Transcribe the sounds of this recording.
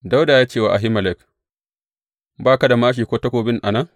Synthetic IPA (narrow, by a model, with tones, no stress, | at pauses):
da˦wdaː˨jaː˦t͡ʃeː˦wa̰˨ʔa˨ɦɪ˦mɐ˨lɛ˦k | baː˦˨ka˦da˨maː˦ʃ̬iː˨kʷoː˦tɐ˦kʷoː˨bɪ˦nʔa̰˨na˦